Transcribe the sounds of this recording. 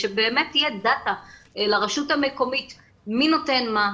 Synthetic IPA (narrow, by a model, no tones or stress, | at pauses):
ʃebeːmetːijedataelaʁeʃutame̞ko̞mit | mino̞te̞nma